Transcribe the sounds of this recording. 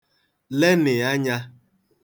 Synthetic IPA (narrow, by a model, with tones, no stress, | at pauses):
le˦nɪ˨a˦ɲa˦